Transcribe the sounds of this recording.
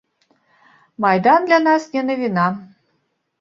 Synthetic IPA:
mɑjd̪and̪lʲanɑsnʲɛnəvʲinɑ

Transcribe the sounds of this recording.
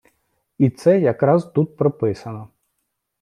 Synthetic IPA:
it̪sɛjɐkɾɑzt̪ut̪̚pɾɔpɪsɐnɔ

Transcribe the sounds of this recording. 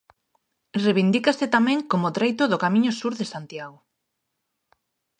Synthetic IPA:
reβind̪ikasɪt̪amɛ̃ŋkomʊt̪ɾejt̪ʊðʊkamĩɲʊsuɾðesant̪jaɣo

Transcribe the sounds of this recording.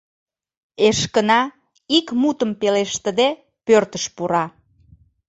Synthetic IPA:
eʃkənɑ | ikmut̪əmpeleʃt̪əd̪e | pørt̪əʃpuɾɑ

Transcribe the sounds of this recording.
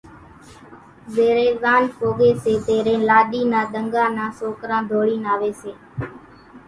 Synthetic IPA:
zeːɾẽːzaːnpoːɠeːseːt̪eːɾẽːlaːɗiːnãːɗ̪əŋɡãːnãːsoːkɾãːd̪ʱoːɽiːnaːʋeːseː

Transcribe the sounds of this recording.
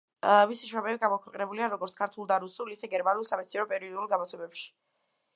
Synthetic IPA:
misiʃwɾɔmɛbiɡamɔkʰwɛqʼɛnɛbuliaɾɔɡɔɾt̪skʰaɾt̪ʰulˠd̪aɾusulisɛɡɛɾmanulˠsamɛt̪siɾɔpʼɛɾiɔd̪ulˠɡamɔt̪sʰɛbɛpʃi̥

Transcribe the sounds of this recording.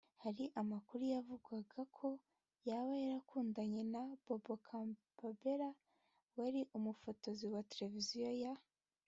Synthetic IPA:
haɾiʔamakuɾujavuɡwaɡakʰo̞ | jaβajaɾakuːndaɲe̞nab̥obokʰa | babeɾa | waɾiʔumufo̞to̞ziwateɾe̞vizijoja

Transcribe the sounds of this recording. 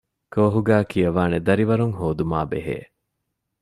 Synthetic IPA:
koːɦuɡæːkʰijɐʋaːned̪ɐɾiʋɐɾuŋhoːd̪uma̰ːbḛɦḛː

